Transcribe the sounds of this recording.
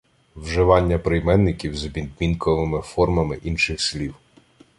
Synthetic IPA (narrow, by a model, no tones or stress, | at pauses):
wʒɪʋɑnʲːɐpɾɪjmɛnːɪkʲiwzɔbʲid̪̚mʲinkɔʋɪmɪfɔrmɐmɪʔinʃɪxslʲiw